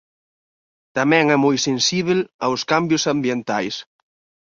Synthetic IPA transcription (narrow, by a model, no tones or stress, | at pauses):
t̪amɛ̃ŋɛmojsensiβ̞elawskambjʊsambjent̪ajs